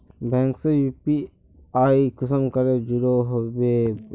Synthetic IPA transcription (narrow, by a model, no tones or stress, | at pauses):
bɛ̃ːŋksejuːpi | aːikɪsəmkɐɾed͡ʒʊɾoɦobe